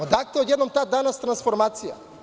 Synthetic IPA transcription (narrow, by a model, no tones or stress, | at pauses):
ad̪ak̚t̪ɛɔd̪jɛd̪nomt̪ad̪anast̪ɾansfɔɾmat̪sija̰